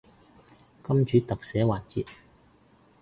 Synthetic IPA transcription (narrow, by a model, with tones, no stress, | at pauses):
kɐ˥mt͡ʃyː˨˥t̪ɐ˨k̚sɛː˨˥waː˨˩nt͡siː˨t̚